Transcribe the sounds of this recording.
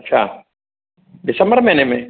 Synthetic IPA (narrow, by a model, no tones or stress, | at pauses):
t͡ʃʰa̰ | dɪsɐmbəɾmẽnẽmẽ